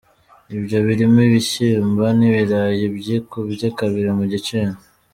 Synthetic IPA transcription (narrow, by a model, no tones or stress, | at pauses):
ibɟo̞βiɾimiβiɕimbaniβiɾajebɟikubɟakaβiɾemuɟit͡ʃen